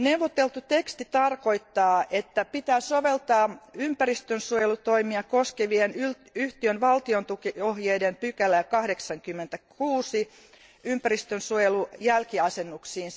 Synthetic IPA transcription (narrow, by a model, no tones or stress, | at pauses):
newʋot̪ːelt̪ut̪ekst̪it̪ɑrkoit̪ːɑːʔet̪ːæpit̪æːsoʋelt̪ɑːympærist̪ønsuojelut̪oimiɑkoskeʋienyl | yht̪iønʋɑlt̪iont̪ukiohjeidempykælːæjkɑhdeksɑŋkymːent̪ækuːsi | ympærist̪ønsuojelujælkiɑsenːuksiːn